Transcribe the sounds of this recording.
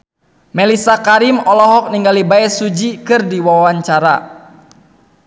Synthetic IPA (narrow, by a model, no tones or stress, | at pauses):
mɛlisakaɾimɔlɔɦɔk̚niŋɡalibaɛsud͡ʒikɨrdiwawaɲt͡ʃaɾa